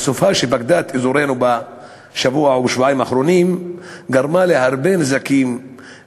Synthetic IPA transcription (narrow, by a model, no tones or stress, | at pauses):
sofaʃebakd̪at̪izuɾenuba | ʃavuauʃvoaimaχɾo̞nimɡaɾmale̞haʁbenzakim